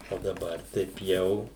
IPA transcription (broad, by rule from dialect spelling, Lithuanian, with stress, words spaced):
oː dɐˈbɐr tɐɪp ˈjɛʊ